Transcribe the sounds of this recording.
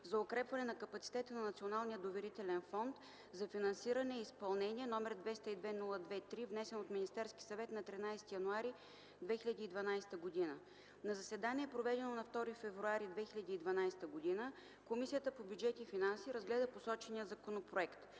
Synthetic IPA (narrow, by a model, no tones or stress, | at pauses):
zɐʊkɾɛpvɐnɛnɐkɐpɐt̪si̥t̪ɛt̪ənɐnɐt̪sionalˠnijəd̪ovɛɾit̪ɛlɛnfɔnt̪ | zɐfinɐnsiɾɐnɛispɐlˠnɛniɛnɔmɛɾd̪vɛst̪əid̪vɛnulˠəd̪vɛt̪ɾivnɛsɛnot̪minist̪ɛɾskʲi̥sɐvɛt̪nɐt̪ɾinajst̪ijɐnuaɾi | d̪vɛxilʲəd̪iːd̪vɐnajsɛ̥t̪əɡod̪inə | nɐzɐsɛd̪aniɛpɾovɛd̪ɛnonɐft̪ɔɾifɛvɾuaɾid̪vɛxilʲɐd̪iːd̪vɐnajst̪əɡod̪inə | komisijət̪əpobʲjud͡ʒɛt̪ifinansiɾɐzɡlɛd̪əposɔt͡ʃɛnijəzɐkonopɾoɛkt̪